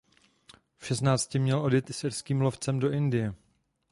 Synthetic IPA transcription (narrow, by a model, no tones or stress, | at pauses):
fʃɛsnaːt͡scɪmɲɛlʔo̞djɛt̪sɪɾskiːmlo̞ft͡sɛmdo̞ʔɪndɪjɛ